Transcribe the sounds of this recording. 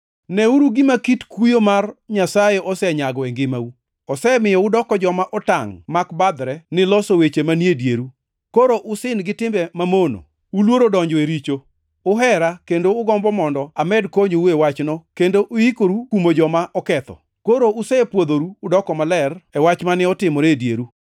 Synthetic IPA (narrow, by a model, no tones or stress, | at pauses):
nɛuɾuɡɪmakitkujomarɲasajeʔɔsɛɲaɡɔɛŋɡɪmau | ɔsɛmɪjɔʊdɔkɔd͡ʒɔmaʔɔtaŋmakbad̪ɾɛnɪlɔsowet͡ʃemanjedjeɾu | koɾoʔʊsɪnɡɪtɪmbɛmamono̰ | ulwoɾodɔɲd͡ʒɔeɾit͡ʃo | ʊɦɛɾakendoʊɡɔmbɔmɔndɔamɛdkoɲouewat͡ʃnɔkendoʔʊikoɾukumod͡ʒɔmaʔɔkɛt̪ɔ̰ | koɾoʊsɛpwod̪oɾuːdɔkɔmalɛrɛwat͡ʃmanɪɔtɪmɔɾedjeɾu